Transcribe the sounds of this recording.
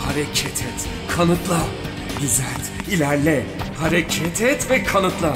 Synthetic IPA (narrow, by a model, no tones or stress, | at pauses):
haɾɛcʰɛt̪ʰɛt̪ | kʰanɯt̪lˠa | ɟyzælʲt̪ilʲæɾlʲɛhaɾɛcʰɛt̪ʰɛt̪vɛkʰanɯt̪lˠa